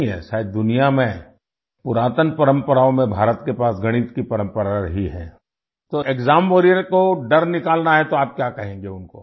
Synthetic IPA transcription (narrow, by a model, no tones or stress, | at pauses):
ɦɛ̰ːʃaːɪd̪̚d̪ʊnijamẽ | pʊɾaːt̪ənpɐɾə̃mpəɾaːõmẽbʱaːɾət̪kepaːsɡɐɽ̃iːt̪kipɐɾə̃mpəɾaɾɐɦiɦɛ̰ː | t̪oekzaːmboːɾijəɾkoɖɐɾnɪkaːlnaɦɛt̪oaːp̚kjaːkɐɦẽːŋɡeʊnko̰ː